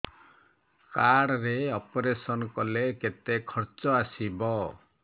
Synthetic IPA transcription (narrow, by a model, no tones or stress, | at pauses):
kaɽɾeɔpɔɾesɔnkɔleket̪ekʰɔɾt͡ʃɔasibɔ